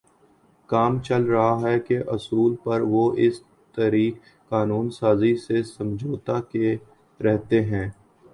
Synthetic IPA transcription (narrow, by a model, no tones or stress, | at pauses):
kaːmt͡ʃɐlɾɐɦaɦɛkeʔɐsuːlpɐɾʋoʔɪs | t̪əɾiːkː | aːnuːnsaːzisesɐ̃md͡ʒʱoːt̪ake | ɾɛɦt̪eɦɛ̃ː